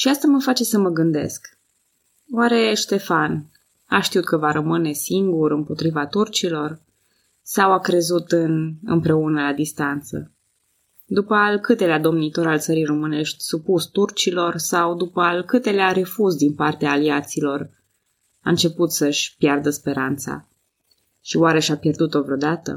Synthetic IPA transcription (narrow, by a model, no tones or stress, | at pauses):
ʃiast̪aməfat͡ʃe̞səməɡɨnd̪e̞̰sk | waɾe̞ʃt̪e̞fan | aʃt̪iut̪̚kəvaɾəmɨne̞siŋɡuɾɨmpo̞t̪ɾivat̪urt͡ʃilo̞r | sawakɾe̞zut̪ɨnɨ̰mpɾe̞unəlad̪ist̪ant̪sə̰ | d̪upəalkɨt̪e̞lead̪o̞mnit̪o̞ɾalt̪səɾijro̞mɨne̞ʃt̪ʲsupust̪urt͡ʃilo̞rsawd̪upəalkɨt̪e̞leaɾe̞fusd̪inpart̪eaːliat̪silo̞r | a̰ɨnt͡ʃe̞put̪səʃʲpjard̪əspe̞ɾant̪sa̰ | ʃiwaɾe̞ʃapje̞rd̪ut̪ovɾeo̞d̪at̪ə̰